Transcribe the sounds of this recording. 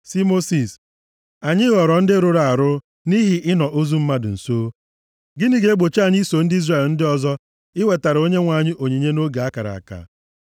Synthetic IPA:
si˦mo˦si˨s | a˨ɲɪ˦ɣɔ˨ɾɔ˨n̩˦dɪ˦ɾʊ˨ɾa˨a˨ɾʊ˦ | ni˦ɦɪ˨ʔɪ˦nɔ˨ʔo˦zu˦m̩˦ma˦dʊ̰˨n̩˨soː˦ | ɡɪ˦ni˦ɡe˨˦e˦ɡ͡bo˨t͡ʃa˨ɲi˦so˨n̩˦dɪ˦i˦zre˨ln̩˦dɪ˦ɔ˨zɔ˦ | ɪ˦we˨ta˨ɾo˦ɲe˦ŋʷa˨ɲɪ˦ʔo˨ɲi˨ɲe˦no˦ɡa˨a˦ka˨ɾa̰˨a̰˨ka̰˨

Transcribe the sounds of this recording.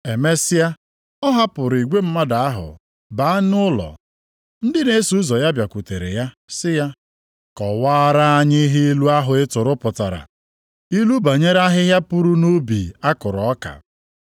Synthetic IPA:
e˨me˦sɪ˦a˦ | ɔ˦ɦa˦pʊ˨ɾi˨ɡʷe˦m̩˦ma˦da˨a˦ɦʊ̰˨ | ba˨˦a˦nʊ˦lɔ̰˨ | n̩˦dɪ˦ne˦su˦zɔ˨ja˦bja˨kʷu˨te˨ɾḛ˨ja˦ | sɪ˦ja˦ | kɔ˨waː˦ɾa˦a˦ɲɪ˦ɦɪ˦i˦lu˦a˦ɦʊ˨ɪ˦tʊ˨ɾʊ˦pʊ˨ta˨ɾa̰˨ | i˦lu˦ba˨ɲe˦ɾa˦ɦɪ˦ɦja˦pu˦ɾu˦no˦bi˨a˦kʊ˨ɾɔ˨ɔ˦ka̰˨

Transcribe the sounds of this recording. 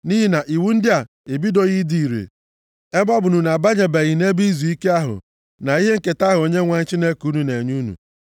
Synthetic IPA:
ni˦ɦi˦na˨ʔi˨wu˦n̩˦dɪ˦a˨ | e˨bi˦do˨ɣi˦di˨i˨ɾḛ˨ | e˦bɔ˦bʊ˨nu˨na˨ba˦ɲe˨be˨ɣi˨ne˦bi˦zu˨i˦ke˦a˦ɦʊ̰˨ | na˨i˦ɦe˦ŋ̩˦ke˨ta˦ɦo˨ɲe˦ŋʷa˨ɲ̩˦t͡ʃi˦ne˦ku˦nu˨ne˨ɲu˦nṵ˨

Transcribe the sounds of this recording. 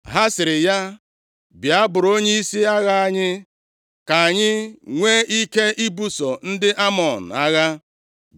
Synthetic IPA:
ɦa˦sɪ˨ɾɪ˨ja˦ | bja˦bʊ˨ɾo˦ɲe˦i˦si˦a˦ɣa˦a˦ɲɪ˦ | ka˨a˨ɲɪ˦ŋʷe˦i˦ke˦ʔi˦bu˦sɔ˨n̩˦dɪ˦ʔa˦mɔ˨n̩˨a˦ɣa˦

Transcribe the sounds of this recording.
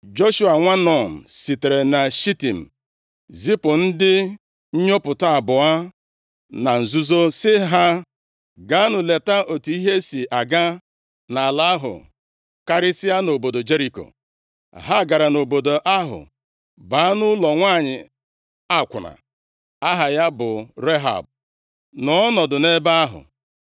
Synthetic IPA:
d͡ʒo˦ʃu˦a˨ŋʷa˦nɔ˨n̩˨si˨te˨ɾe˨na˨ʃi˦ti˨m̩˨ | zi˦pʊ˨n̩˦dɪ˦ | ɲ̩˦ɲo˦pʊ˨ta˦a˨bʊ˨a˦ | na˨n̩˨zu˦zo˦sɪ˦ɦa˦ | ɡa˨˦nʊ˨le˨ta˦ʔo˨tu˨˦i˦ɦe˦si˨ʔa˨ɡa˦ | na˨a˨la˨˦a˦ɦʊ̰˨ | ka˦ɾɪ˦sɪ˦a˦no˨bo˨do˨d͡ʒe˦ɾi˨ko̰˨ | ɦa˦˨ɡa˨ɾa˨no˨bo˨do˨ʔa˦ɦʊ̰˨ | ba˨˦a˦nʊ˦lɔ˨ŋʷa˦˨ɲɪ̰˨ | a˦˨kʷʊ˨na̰˨ | a˦ɦa˨ja˦bʊ˨ɾe˦ɦa̰˨b̚ | nɔ˨ɔ˦nɔ˨dʊ˨ne˦ba˦a˦ɦʊ̰˨

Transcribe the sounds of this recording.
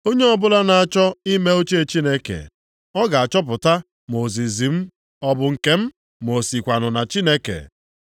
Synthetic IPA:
o˦ɲe˦ɔ˦bʊ˦la˦na˨a˨t͡ʃɔ˦i˦me˦o˦t͡ʃe˦e˨t͡ʃi˦ne˦kḛ˨ | ɔ˦ɡa˨a˨t͡ʃɔ˦p̬ʊ˨ta˦ | m˨o˨zi˨zi˨m̩˦ | ɔ˦bʊ˨ŋ̩˨ke˦m̩˦ | m˨o˨si˨kʷa˨nʊ˨na˨t͡ʃi˦ne˦kḛ˨

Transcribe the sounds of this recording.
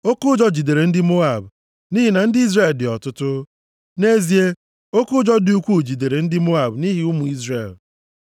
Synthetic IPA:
o˦kʊ˦d͡ʒɔ˦d͡ʒi˨de˨ɾe˨n̩˦dɪ˦mo˦a˨b | ni˦ɦi˨na˨n̩˦dɪ˦i˦zre˨ldɪ˨ɔ˨tʊ˦tʊ˦ | ne˦zi˦e˦ | o˦kʊ˦d͡ʒɔ˦dɪ˨u˦kʷu˦˨d͡ʒi˨de˨ɾe˨n̩˦dɪ˦mo˦a˨bni˦ɦi˨u˦mu˨i˦zrḛ˨l

